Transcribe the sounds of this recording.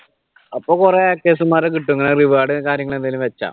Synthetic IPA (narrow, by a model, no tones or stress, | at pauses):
ɐpːoːkureakːeːsumaːrɨkiʈːuŋːɐnɐriʋaːɽɨkaːɾjɐŋːɐɭend̪ɐlumʋet͡ɕːa̰ːm